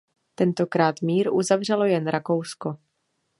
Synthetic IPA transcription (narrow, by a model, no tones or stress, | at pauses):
t̪ɛnt̪o̞kɾaːt̪miːɾʔuzavr̝ɛlo̞jɛnɾʔako̞wsko̞